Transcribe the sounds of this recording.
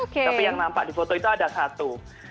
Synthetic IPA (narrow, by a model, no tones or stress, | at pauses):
kapijaŋlampa̰difot̪oit̪oadasat̪u